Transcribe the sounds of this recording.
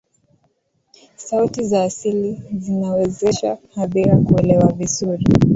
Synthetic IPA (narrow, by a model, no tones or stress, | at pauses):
sautizaːsilizinawɛzɛʃa̰haɓiɾakuɛlɛwavizuɾi